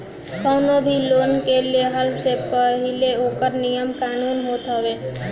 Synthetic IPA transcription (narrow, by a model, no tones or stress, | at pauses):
kəwnobʱilonkeleɦəlpsepəɦileokəɾnijəmkanunɦot̪ɦəbe